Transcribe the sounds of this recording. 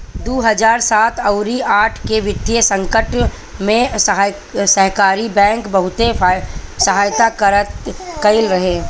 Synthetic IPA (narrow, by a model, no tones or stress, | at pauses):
d̪oːɦɐd͡ʒaːɾsaːt̪ɐʊɾiaːʈʰkeʋɪd̪jəsɐ̃ŋkəʈ | mẽ | sɐɦkaːɾibɛ̃ːŋkbɐɦʊt̪esɐɦaːjt̪akəɾət̪kɐɪlɾɐɦẽː